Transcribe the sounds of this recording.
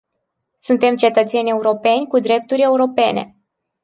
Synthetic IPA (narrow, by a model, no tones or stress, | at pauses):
sunt̪e̞mt͡ʃe̞t̪ət̪se̞nʲe̞uɾo̞pe̞nʲkud̪ɾe̞p̚t̪uɾʲe̞uɾo̞pe̞̰nḛ